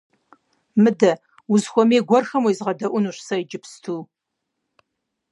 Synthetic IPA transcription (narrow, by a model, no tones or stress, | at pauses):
mɨdɐ | uzxʷɔmeːɡʷɔrxɐmujzʁɐdɐʔʷʊnuːʃsɐid͡ʒɪpstʰuː